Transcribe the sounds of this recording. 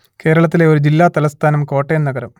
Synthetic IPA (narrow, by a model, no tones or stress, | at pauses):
ke̞ːɾɐɭɐt̪ːile̞o̞ɾud͡ʑilːaːt̪ɐlɐst̪ʰaːnɐmko̞ːʈːenːɐɡɐɾɐm